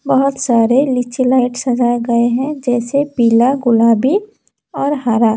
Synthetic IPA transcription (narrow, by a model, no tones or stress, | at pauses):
bəɦʊt̪saːɾelɪt͡ʃilaːɪʈsɐd͡ʒaɡɐeɦɛ̃d͡ʒɛːsepiːlaɡʊlaːbi | ɔːɾɦaːɾaː